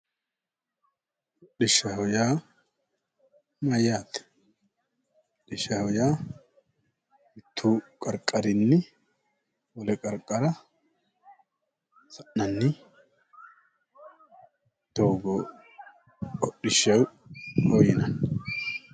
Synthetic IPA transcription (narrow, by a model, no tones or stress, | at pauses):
ʔɔɗɪʃːɐhɔjaː | mɐjːaːt̪ɛ̥ | ɔɗɪʃɐhɔjaː | ɪt̪ʰːuːkʼɐɾkʼːɐɾɪnːɪ | wɔlɛkʼɐɾkʼːɐɾɐ | sɐʔnɐnːɪ | t̪ːoːɡoː | ɔɗɪʃːɐwhɔjɪnɐn